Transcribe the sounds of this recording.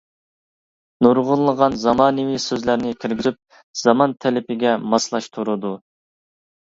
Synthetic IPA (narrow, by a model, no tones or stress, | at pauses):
nuɾʁʊlˠːəʁɑnzɑmɑːnɪwisøzlæɾnɪkʲʰiɾɡʲizyp̚ | z̥ɑmɑnt̪ʰɛlɪpɪɡʲɛmɑslˠɑʃt̪ʰuɾud̪u